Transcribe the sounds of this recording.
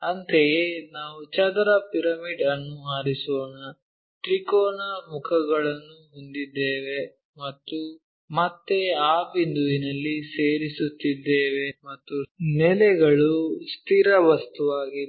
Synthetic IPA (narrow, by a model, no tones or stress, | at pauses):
ɐnt̪ejenaːʋut͡ʃɐd̪ɾɐpiɾɐmiɖɐnːuaːɾisɔːnɐ | ʈɾikɔːnamukʰɐɡɐɭɐnːuɦund̪id̪ːeːʋe̞ | mɐt̪ːu | mɐt̪ːe̞aːbind̪uʋinɐlːiseːɾisut̪ːid̪ːeːʋe̞mɐt̪ːunɛlɛɡɐɭust̪ʰiɾɐʋɐst̪uʋaːɡi